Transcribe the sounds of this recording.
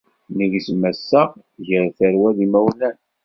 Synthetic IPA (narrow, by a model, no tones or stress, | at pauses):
niʝismæsːəʁ | ʝəɾθəɾwæðimæwlæn